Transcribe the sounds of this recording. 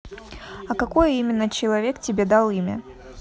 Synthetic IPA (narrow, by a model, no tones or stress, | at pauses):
ɐkɐko̞jəimʲɪnːət͡ɕɪlˠɐvʲe̞ktʲɪbʲed̪alˠimʲə̰